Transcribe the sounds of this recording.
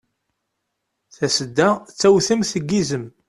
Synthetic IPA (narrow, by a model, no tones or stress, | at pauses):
θæsəd̪ːæt͡sːæwθəmθəɡːizəm